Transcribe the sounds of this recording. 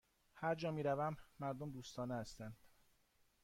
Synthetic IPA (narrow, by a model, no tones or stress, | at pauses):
hæɾd͡ʒɒːmiːɾævæmːæɾd̪omd̪uːst̪ɒːnehæst̪ænd̪̥